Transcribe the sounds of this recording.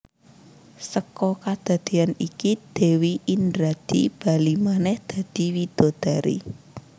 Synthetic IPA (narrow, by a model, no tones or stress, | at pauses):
səkɔkad̪̥a̤d̪̥i̤anikid̪̥e̤wiʔindɾad̪̥ib̥a̤limanɛhd̪̥ä̤d̪̥i̤wid̪̥o̤d̪̥a̤ɾḭ